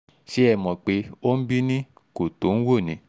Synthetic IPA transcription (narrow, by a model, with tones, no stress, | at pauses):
ʃe˨˦ɛ˦˨mɔ̃˨k͡pe˨˦o˦n̩˦bi˦nĩ˦ | ko˨to˨˦n̩˦wo˦˨nĩ˨˦